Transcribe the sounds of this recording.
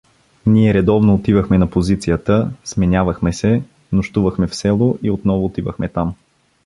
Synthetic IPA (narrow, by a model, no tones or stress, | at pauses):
niɛɾɛd̪ɔvnoːt̪ivəxmɛnɐpozit̪sijət̪əsmɛnʲavəxmɛsɛ | noʃt̪uvəxmɛfsɛlˠoʔiot̪nɔvoːt̪ivəxmɛt̪am